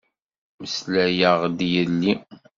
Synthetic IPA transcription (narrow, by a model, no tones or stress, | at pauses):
məslæjəʁd̪jəlːi